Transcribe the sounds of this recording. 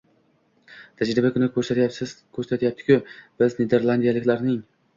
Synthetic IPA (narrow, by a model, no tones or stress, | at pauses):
t̪ʰad͡ʒɾɪbakʰʊnɪkɵɾsat̪ɪkʰɵɾsat̪jap̚t̪ʰɪ̥kʲʰʊb̥ɪzned̪e̞ɾlˠand̪ijalɪkʲlaɾnɪŋ